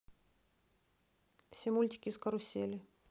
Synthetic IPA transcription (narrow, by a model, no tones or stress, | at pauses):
fsʲemulʲt̪ʲɪ̥kʲɪskɐɾʊsʲːelʲɪ